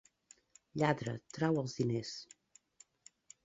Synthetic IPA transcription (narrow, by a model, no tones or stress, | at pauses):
ʎaðɾə̰t̪ɾawəlˠzðines